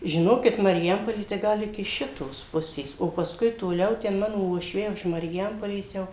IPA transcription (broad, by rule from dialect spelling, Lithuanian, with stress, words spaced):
ʒʲɪˈnoːkʲɪt mɐrʲɪˈjɛmpoːlʲeː tɐɪ ˈɡɐlˠ ɪkʲɪ ˈʃʲɪtoːs ˈpʊsʲeːs oː pɐsˈkʊɪ toːˈlʲɛʊ ˈtʲɛn ˈmɑːnoː uɔʃʲˈʋʲɛɪ ʊʃ mɐrʲɪˈjɛmpoːlʲeːs ˈjɛʊ